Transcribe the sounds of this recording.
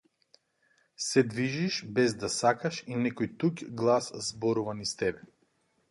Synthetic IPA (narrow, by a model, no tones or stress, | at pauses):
sɛd̪viʒiʃbɛzd̪asakaʃinɛkɔjt̪ukɡlˠaszbɔɾuvanist̪ɛbɛ